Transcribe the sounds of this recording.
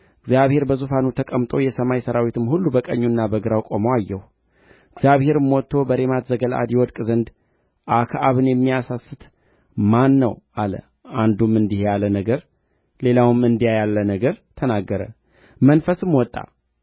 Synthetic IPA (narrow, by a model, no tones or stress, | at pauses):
ɨɡzjaβhe̞ɾbəzufanut̪ʰəkʼəmt̪ʼo̞jɛsəmajsəɾawit̪ʰɨmhulːubəkʼəɲːunːabəɡɨɾawkʼomoajːɛhu | ɨɡzjaβhe̞ɾɨmːɔt̪ʰːo̞bəɾemat̪zəɡəla̰d̪jɛwɔd̪kʼzənd̪ | ʔakʰaʔaβɨnjɛmːijasasɨt̪ | manːəwalə̰ | and̪umɨnd̪ihejalənəɡəɾ | le̞lawɨmɨnd̪ijajalːənəɡəɾt̪ʰənaɡːəɾə̰ | mənfəsɨmwɔt̪ʼːa̰